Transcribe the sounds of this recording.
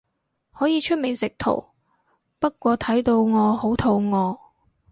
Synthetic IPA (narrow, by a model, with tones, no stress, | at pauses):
hɔː˨˥jiː˨˧t͡ʃʰɵ˥t̚me˨˩sɪ˨k̚t̪ʰo̰˨˩w | pɐ˥t̚kʷɔː˧t̪ʰɐ˨˥jt̪o˧wŋɔː˨˧ho˨˥wt̪ʰo˧wŋɔː˨˧